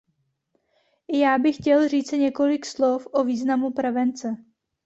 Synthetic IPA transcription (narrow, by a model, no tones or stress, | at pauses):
ʔɪjaːbɪxcɛlriːt͡sɪɲɛko̞lɪkslo̞fʔo̞viːznamupɾɛvɛnt͡sɛ